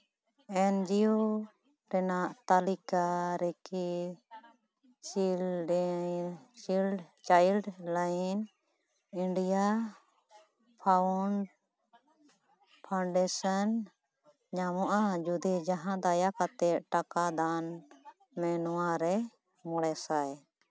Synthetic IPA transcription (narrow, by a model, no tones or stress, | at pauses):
ɛnd͡ʒio | ɾɛnaʔt̪alikaɾɛki | t͡ʃilɖ | t͡ʃilɖt͡ʃajlɖlajn | iɳɖija | pʰauɳɖ | pʰaɳɖɛsan | ɲamɔʔad͡ʒud̪ɛd͡ʒaɦãd̪ajakat̪ɛʈakad̪an | mɛnɔwaɾɛ | mɔɽɛsaj